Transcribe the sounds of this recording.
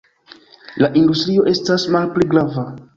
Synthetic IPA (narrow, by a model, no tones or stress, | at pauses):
laʔindustɾio̞ʔe̞stasmalpliɡɾava